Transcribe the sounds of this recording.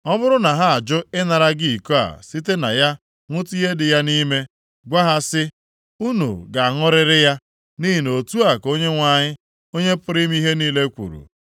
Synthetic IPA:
ɔ˦bʊ˦ɾʊ˦na˨ɦa˦a˨d͡ʒʊ˦ɪ˦na˨ɾa˦ɡi˦˨ko˦a̰˨si˦te˦na̰˨ja˦ | ŋʷʊ˦ti˦ɦe˦dɪ˨ja˦ni˦me˦ | ɡʷa˦ɦa˦sɪ˦ | u˦nṵ˨ɡa˨a˨ŋʊ˦ɾɪ˦ɾɪ˦ja˦ | ni˦ɦi˨no˨tu˦a˨ko˦ɲe˦ŋʷa˨ɲɪ˦ | o˦ɲe˦pʊ˦ɾi˦m˦i˦ɦe˦niː˦le˦kʷṵ˨ɾṵ˨

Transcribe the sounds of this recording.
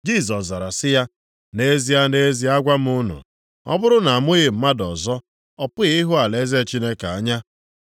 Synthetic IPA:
d͡ʒi˦˨sɔ˨sza˨ɾa˨sɪ˦ja˦ | ne˦zi˨ja˦ne˦zi˨˦a˦ɡʷa˦m˦ʊ˦nʊ̰˨ | ɔ̰˦bʊ˦ɾʊ˦na˨a˨mʊ˦ɣɪ˨m̩˦ma˦dɔ˨zɔ˦ | ɔ˨pʊ˦i˦ɦʊ˦a˨le˦ze˦˨t͡ʃi˦ne˦ka˨a˦ɲa˦

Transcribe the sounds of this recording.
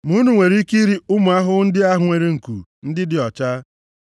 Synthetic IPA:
mu˦nu˨ŋʷe˨ɾi˦ki˦ɾi˦ʊ˦mʊ˨a˦ɦʊ˦n̩˦dɪ˦a˦ɦʊ˨ŋʷe˨ɾe˨ŋ̩˨kṵ˨n̩˦dɪ˦dɪ˨ɔ˨t͡ʃa˦

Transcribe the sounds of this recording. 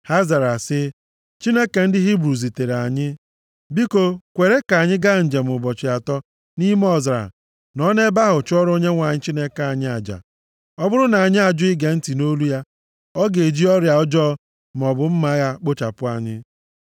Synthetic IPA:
ha˦za˨ɾa˨sɪ˦ | t͡ʃi˦ne˦ke˨n̩˦dɪ˦ɦi˦bɾu˨zi˨te˨ɾa˨ɲɪ˦ | bi˦ko˨kʷe˨ɾe˦ka˨ɲɪ˦ɡa˦˨ɲ̩˨d͡ʒe˨m̩˨ʊ˨bɔ˨t͡ʃɪ˨a˨tɔ˦ | ni˦m˦ɔ˦za̰˨ | nɔ˦ne˦ba˦ɦʊ˨t͡ʃɔ˦ɾo˦ɲe˦ŋʷa˨ɲɪ˦t͡ʃi˦ne˦kaa˨ɲɪ˦a˨d͡ʒa̰˨ | ɔ˦bʊ˦ɾʊ˦na˨ɲɪ˦a˨d͡ʒʊ˦ɪ˦ɡe˨n̩˦ti˨no˦lu˦ja˦ | ɔ˦ɡe˨d͡ʒi˦ɔ˦ɾja˨ɔ˦d͡ʒɔ˦ | m˨ɔ˨bʊ˨m̩˦ma˦ja˦k͡po˦t͡ʃa̰˨pʊ˦a˨ɲɪ˦

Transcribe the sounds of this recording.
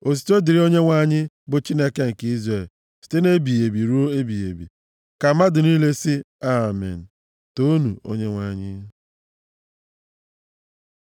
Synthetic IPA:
o˨s̬i̥˨to˦di˨ɾi˦o˦ɲe˦ŋʷa˦ɲɪ˦ | bʊ˨t͡ʃi˦ne˦ke˦ŋ̩˨ki˦zɾe˦˨l | si̥˨te˦ne˦bi˨e˨bi˨ɾu˦o˦e˦bi˨ḛ˨bḭ˨ | ka˨ma˦dʊ˨ni˦le˦sɪ˦a˦˨mɪ̰˨n̩˨ | to˦nu˨o̰˦ɲe˦ŋʷa˦ɲɪ̰˦

